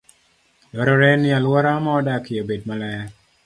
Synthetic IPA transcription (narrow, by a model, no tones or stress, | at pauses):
dɔɾɔɾɛnɪalwɔɾamɔːdakɪobed̚malɛ